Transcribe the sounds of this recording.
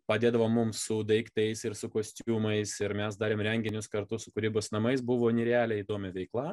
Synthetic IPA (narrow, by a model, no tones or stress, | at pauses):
pɐd̪ʲeːd̪ɐʋoːmːʊmsʊd̪ɐɪkt̪ʲɛɪsɪɾsʊkoːsʲt̪ʲuːmɐɪsɪɾmʲɛsd̪ɑːɾʲeːmɾʲɛŋʲɡʲɪnʲʊskɐɾt̪ʊsʊkʊɾʲiːbosnɐmɐɪs̬bʊʋoːnʲɪɾʲeɑːlʲɛiːd̪oːmʲɛʋʲɛɪklˠɑː